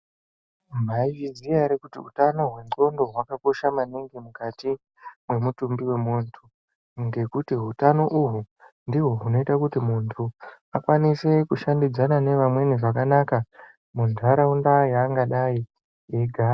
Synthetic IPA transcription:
m̤aivid͡ziaɾekutiutano̞ɦwe̞nǃo̞ndo̞ɦwakako̞ʃamaniŋɡemukati | mwe̞mutumbiwe̞muntʰu | ŋɡe̞kutiɦutano̞ʔuɦu | ndiɦo̞ɦuno̞itakutimuntʰu | akwanise̞kuʃandid͡zanane̞ʋamwe̞niʐakanaka | mundʱaɾaundajaːŋɡaɗai | eɡʱaː

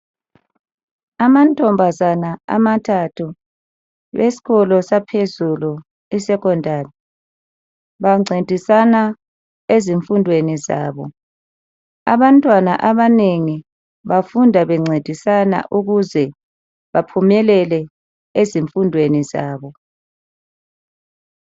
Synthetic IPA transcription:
amantʼɔmbʱazanaa̰matʰatʰu | wesi̥ɣɔlɔsapʰezulu | isɛkɔndʱaːrɛ | βaŋ͡ǀʱed̥ʱisana | eziɱfundʱweniza̰ːβɔ | a̰βantʼwanaʔaβaneŋi | βafundʱaβɛŋ͡ǀʱed̥ʱisana̰ʔuɣuzɛ | βapʰumɛlɛlɛ | eziɱfundʱweniza̰ːβɔ

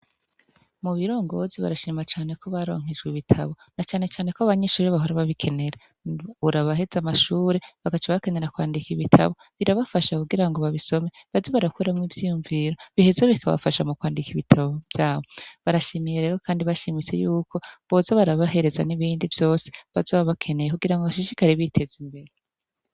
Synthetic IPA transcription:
muβiɾo̞ːŋɡo̞ziβa̰ɾaʃiːmat͡ʃaːne̞ko̞βaɾo̞̰ŋ̥id͡ʒɡwiβitʰa̰βo̞nat͡ʃaːne̞t͡ʃaːne̞koaβaɲeʃuːɾeβaɦoɾaβaβikʰe̞ne̞ɾe | uɾaβaɦe̞zamaʃuːɾeβaɡat͡ʃaβake̞ne̞ɾakwaːndikiβitʰa̰βo̞ | βiɾaβafaʃakuɡiɾaŋɡo̞βaβiso̞me̞βazoβaɾakuɾamŋivjijuɱviɾo̞βihezeβikʰaβa̰faʃamukwaːndikiβitʰaβo̞bjaːβo̞βaɾaʃimijeɾe̞ːɾo̞kaːndiβaʃimit͡se̞̰juːkʰo̞βo̞ːzaβaɾaβaɦe̞ɾe̞za̰niβiːndivjo̞ːseβazoβaβakʰe̞ne̞jekuɡiɾaŋɡoaʃiʃikaɾiβitʰe̞zimbe̞ɾe

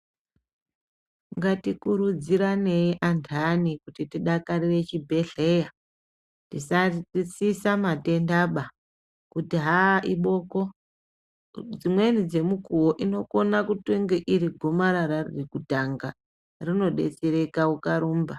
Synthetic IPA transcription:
ŋɡatikuɾud͡ziɾane̞jiʔantʰanikutitiɗakarire̞t͡ʃibʱe̞ɮe̞ja | tisait͡sisamate̞ndaɓa | kutiɦaʔiɓo̞ko̞ | d͡zimwe̞nid͡ze̞mukuwoʔino̞ko̞nakutweŋɡeʔiɾiɡʱo̞maɾaɾarrikutaŋɡa | rino̞ɗe̞̰t͡seɾe̞kaukaɾuːmba

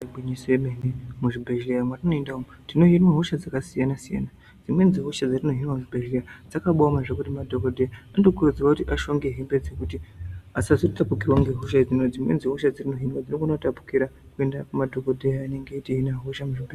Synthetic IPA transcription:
bʱiɲisiemenemuʐibʱeʒlejamwatino̞endaomu | tino̞ɦinwaɦoʃad͡zakasijanasija̰na | d͡zimwe̞nziɦoʃad͡zarino̞ɦinwamuʐibʱeʒejad͡zakaɓoamaʐekutimadʱo̞kodʱejaandokurud͡ziwakutiʔaʃo̞ŋɡe̞ɦimbe̞d͡zekutiasaziitapukirwaŋɡe̞ɦoʃad͡zinod͡zimwenziɦoʃad͡zirino̞ɦinwad͡ziɾokunotapu̥kiɾa | kue̞ndakumadʱo̞kodʱejaane̞ŋɡeiteɦinaɦoʃamuʐibe

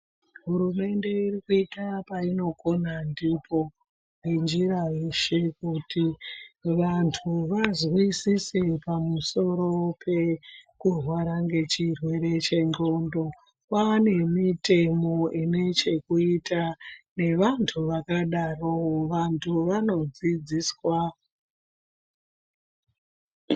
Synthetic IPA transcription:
ɦuɾume̞nde̞irikuitapaino̞ko̞nandipʰo̞ | ɦend͡ʒiɾajeʃe̞kutiʋantʰuʋazwisisepamuso̞ɾo̞pʰe̞kurwaɾaŋɡe̞t͡ʃirwe̞ɾe̞t͡ʃe̞ŋɡo̞ndo̞ | wane̞mite̞mo̞ʔine̞t͡ʃe̞kuitane̞ʋantʰuʋakaɗaroʋantʰuʋano̞d͡zid͡ziːswa

